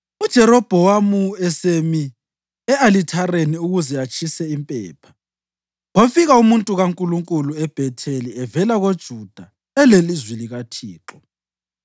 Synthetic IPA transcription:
ud̥ʒ̥ʱɛɾɔb̥ʱɔwamuɛsemi | ɛalitʰareniuɣuzɛat͡ʃʼʰisɛimpʼɛ̰ːpʰḁ | wofiɣaumuntʼuɣaŋkʼuluŋkʼuluɛb̥ʱɛtʰeliɛvɛlaɣod̥ʒ̥ʱud̥ʱa | ɛlelizwiliɣatʰiːǁɔ

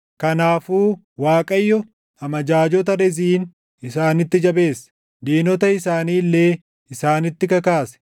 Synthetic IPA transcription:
kɐnaːfuː | waːkʼɐjːɔ | hɐmɐd͡ʒaːd͡ʒɔt̪̬ɐɾɛziːn | ɪsaːnɪt̪ːɪd͡ʒɐbe̞ːsːɐ̥ | d̪iːnɔt̪ɐɪsaːniːlːe̞ː | ɪsaːnɪt̪ːɪkɐkaːsɛ̥

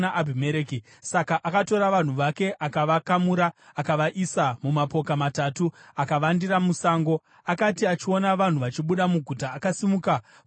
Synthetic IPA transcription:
aʔabʱimeɾeːki | sakaʔakato̞ɾaʋan̤uʋake̞ʔakaʋakamuɾaːkaʋaʔisamumapo̞kamatatuakaʋandiramusaːŋɡo̞ | akatiat͡ʃio̞naʋan̤uʋat͡ʃiɓuɗamuɡʱutaːkasimuka

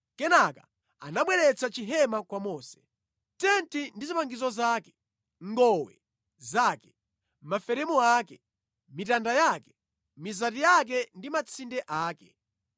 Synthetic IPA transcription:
kɛnaka | anaɓwɛɾɛt͡sat͡ʃiɦɛmakwamɔːsɛ̥ | tɛntindizipaŋɡizɔzaːkɛ̥ | ŋɡɔwɛ̰ | zaːkɛ̥ | mafɛɾɛmɔaːkɛ | mitandajakɛ̥ | mizatijak̬ɛndimat͡sʰindɛʔaːkɛ̥

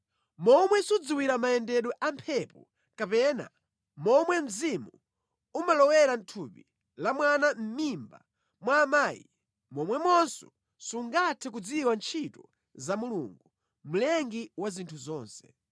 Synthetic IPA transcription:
mɔmwɛsud͡ziwiɾamajɛndɛɗɔʔampʰɛpɔ | kapɛna̰ | mɔmwɛm̩zimu | umalɔwɛɾan̩tʰupi | lamwanam̩mimba | mwaːmaːjḭ | mɔmwɛmɔnsɔ | suŋɡatʰɛkud͡ziwant͡ʃʰitɔ | zamulṵŋɡu | m̩lɛŋɡiwazintʰuzɔːnsɛ̥

